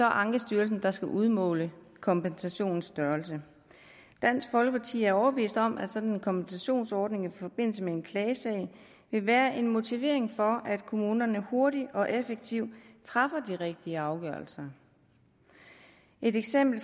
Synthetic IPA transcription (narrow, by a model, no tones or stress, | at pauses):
sɒ̽ʔɑ̈ŋɡ̥əsd̥yːɐls̬n̩d̥ɑ̈sɡ̥æʔuð̞ˠmɔ̰̽ːlə | kʰɒ̽mpensæɕo̝̰ːnn̩sd̥ɶɐlsə | d̥æn̰sɡ̥fɒ̽lɡ̥əpʰɑ̈t͡sʰḭːæɐɒʊɐb̥əʋḭːsd̥ɒ̽mʔæd̥sɒ̽d̥nenkʰɒ̽mpensæɕo̝̰ːnsɒːd̥ne̝ŋifɒ̽b̥e̝n̰l̩səmeenkʰlɛːsɛɪ | ʋe̝ʋæːɐʔe̝nmo̝t͡sʰiʋe̝̰ɐ̰e̝ŋfɒ̽ʔæd̥kʰo̝muːnɐnəho̝ɐɾiɒ̽ʔefeɡ̥̚t͡sʰiʊ̰t͡sʰʁɑ̈fɐd̥iʁeɡ̥̚d̥iəɑ̈ʊɡ̥ɶɐlsɐ | ʔe̝ɾeɡ̥sem̰b̥l̩